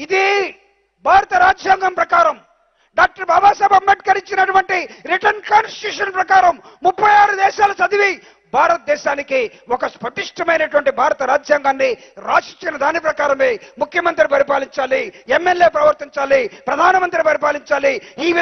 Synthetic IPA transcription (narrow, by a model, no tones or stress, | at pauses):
id̪i | bʱaːɾɐt̪ɐɾaːd͡ʒjaːŋɡɐmpɾɐkaːɾɐm | ɖaːk̚ʈɐɾbʱɐbaːs̬ɐːbɐmbɐʈ̚kɐɾiɲt͡ʃinɐʈuʋɐɳʈiɾiʈɐnkaːnsʈi̥ʈjuːʂɐnpɾɐkaːɾɐmːupːɐjaːɾud̪ɛːʃaːlɐsɐd̪iʋi | bʱaːɾɐt̪̚d̪ɛːʃaːniki | wɔkɐspɐʈiʂʈɐmɐjnɐʈuʋɐɳʈibʱaːɾɐt̪ɐɾaːd͡ʒjaːŋɡaːnːiɾaːt͡ʃiɲt͡ʃinɐd̪aːnipɾɐkaːɾɐmeːmukʰjɐmɐnt̪̬ɾipɐɾipaːliɲt͡ʃaːliemːelːjeːpɾɐʋɐɾt̪iɲt͡ʃaːlipɾɐd̪ʱaːnɐmɐnt̪ɾipɐɾipaːliɲt͡ʃaːliiːʋ